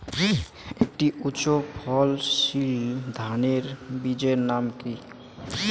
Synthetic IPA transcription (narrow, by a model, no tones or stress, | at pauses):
ek̚ʈiʔutːɕopʰɔlʃild̪ʱaneɾbid͡ʑeɾnamki